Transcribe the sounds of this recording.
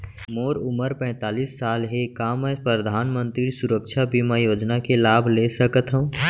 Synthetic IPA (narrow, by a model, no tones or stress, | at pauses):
moːɾʊməɾpɛ̃ːt̪aːlisːaːlɦekamɛ̃ːpɾəd̪ʱaːnmə̃nt̪ɾisʊɾəkʃʰabʱimɛ̃joːd͡ʒnakelaːbʱlesəkət̪ɦõ